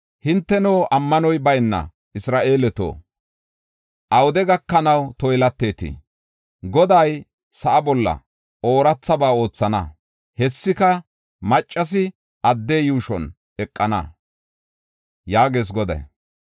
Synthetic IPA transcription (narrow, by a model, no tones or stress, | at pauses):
hɪnt̪ːɛnoːʔɐmːɐnɔjbɐjnːɐ̰ | ɪsɾaːʔe̞ːlɛt̪o̰ː | ʔɐwʊd̪ɛɡɐkːɐnɐwt̪ɔjlɐt̪ːe̞ːt̪ɪ̰ | ɡɔd̪ɐj | sɐʔɐbɔlːɐ̰ | ʔoːɾɐt͡sːɐbaːo̞ːt͡sːɐnɐ̰ | hɛsːɪkɐ | mɐt͡ʃʼːɐs̬ɪ | ɐd̪ːeːjuːʃɔn | ɛkʼːɐnɐ̰ | jaːɡe̞ːs̬ɡɔd̪ɐ̰j